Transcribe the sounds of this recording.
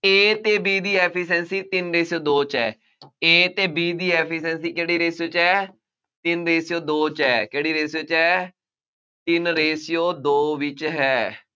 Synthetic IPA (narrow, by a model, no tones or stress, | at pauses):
eːt̪eːbiːd̪iːɛːpʰiːs̬ɛːnsiːt̪ɪnɾeːsijoːd̪oːt͡ʃɛː | eːt̪eːbiːd̪iːɛːpʰisɛːnsiːkeːɽiːɾeːsjoːt͡ʃɛː | t̪ɪnɾeːsɪjoːd̪oːt͡ʃɛːkeːɽiːɾeːsijoːt͡ʃɛː | t̪ɪnɾeːsijoːd̪oːʋɪt͡ʃɦɛː